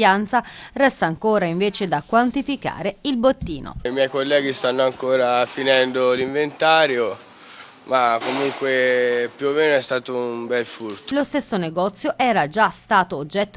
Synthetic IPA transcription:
ant̪sarɛst̪aːŋkoːɾaiɱveːt͡ʃed̪akːwant̪ifika̰ːɾeilbot̪ːiːno̰imjɛjkolːɛːɡist̪anːoaŋkoːɾafinɛnd̪oliɱvent̪aːɾjo | makːomuŋkwepjuomːeːnoɛst̪aːt̪oumbɛlfurt̪lost̪esːoneɡɔt̪sːjoʔɛːɾad͡ʒast̪aːt̪oːd͡ʒːɛt̪ː

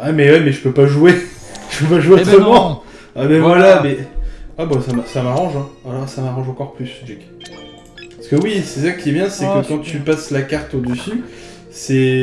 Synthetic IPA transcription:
amɛwɛmɛʒəpøpaʒuwe | ʒ̥əpøpaʒueot̪χəmɑ̃ | abɛvvwalamɛabasamsamaʁɑ̃ʒɛ̃alɔʁsamaʁɑ̃ʒɑ̃kɔʁplysd͡ʒɛkʲ | asə̥kəwisɛsakʲiɛbjɛ̃sɛkəkɑ̃t̪ypaslakaʁt̪od̪əsy | sɛ

